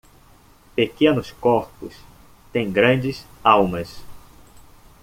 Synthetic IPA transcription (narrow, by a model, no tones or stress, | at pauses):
pekẽnʊskoɾpʊs | t̪ẽj̃ɡɾɐ̃nd͡ʒɪsawmɐs